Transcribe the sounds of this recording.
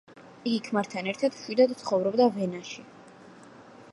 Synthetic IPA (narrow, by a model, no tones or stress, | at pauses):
iɡikʰmaɾt̪ʰanɛɾt̪ʰad̪̥ʃwid̪ad̪t̪sʰχɔvɾɔbd̪avɛnaʃi